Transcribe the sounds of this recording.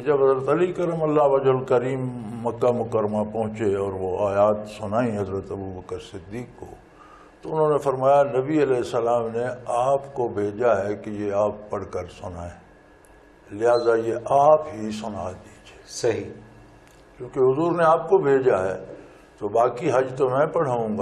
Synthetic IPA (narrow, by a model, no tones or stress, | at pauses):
d͡ʒɐbɦɐzɾət̪ɐlikɐɾəmɐlːaɦʋɐd͡ʒɦʊlkəɾiːmːɐkːamʊkəɾəmapɐ̃ɦʊ̃t͡ʃeɔːɾʋoaːjaːt̪sʊnaːĩɦɐzɾət̪ɐbubəkəɾsɪd̪ːiːkːo̰ | t̪oʊnɦõːnefɐɾmaːjanɐbiɐlɛːɦɪsːəlaːmneaːpkobʱeːd͡ʒaɦɛkejeaːpːɐɽ̤kəɾsʊnaːẽː | lɪɦaːzajeʔaːpɦisʊna̰d̪iːd͡ʒeːsɐɦi | kõːkeɦʊzuːɾneaːp̚kobʱeːd͡ʒaɦɛː | t̪obaːkiɦɐd͡ʒt̪omɛ̃pɐɽ̤aɦũːɡa